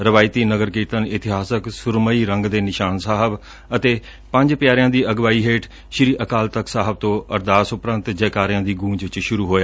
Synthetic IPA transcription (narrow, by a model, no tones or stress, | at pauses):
ɾəʋaːɪt̪iːnəɡəɾkiːt̪ənɪt̪ɪɦaːsəksʊɾməiːɾəŋɡd̪eːnɪʃaːnsaːɦəb | ət̪eː | pə̃ɲd͡ʒpɪjaːɾɪjãːd̪iːəɡʋaːiːɦeːʈ | ʃɾiːʔəkaːlt̪əksaːɦəb̚t̪õːəɾd̪aːsʊpɾənt̪d͡ʒɛːkaːɾɪjãːd̪iːɡũːɲd͡ʒt͡ʃʃʊɾuːɦoːjaː